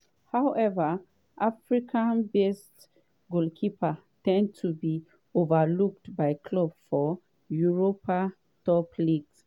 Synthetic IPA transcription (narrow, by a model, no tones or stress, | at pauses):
hawʔɛva | ʔafɹikʰãnbest | ɡulkʰipʰa | tɛ̃ndtʰubi | ovaluk̚tbaɪkʰlɔbfɔ | juɹopa | tɔpliɡs